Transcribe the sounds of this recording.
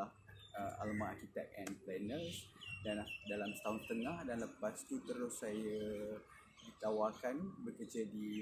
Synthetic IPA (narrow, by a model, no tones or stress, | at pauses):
ahəa̰lamaakit̪a̰t̪̚ɛnplɛnəsdanahdalamsət̪aɦunt̪əŋahdanləpast̪ut̪əɾʊsːaja | dit̪awakanbəkəd͡ʒədi